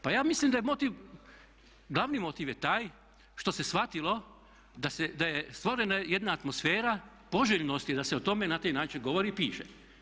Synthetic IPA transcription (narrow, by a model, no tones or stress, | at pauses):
pajaːmislimd̪ajemo̞t̪iːʋ | ɡlˠaʋnimo̞t̪iːʋje̞t̪aːj | ʃt̪o̞se̞sʋat̪ilˠo̞ | d̪ased̪ajest̪ʋoɾenajed̪naːt̪mo̞sfeːɾa | po̞ʒeʎnost̪id̪aseot̪o̞me̞nat̪ajnaːt͡ʃinɡo̞ʋo̞ɾipiːʃḛ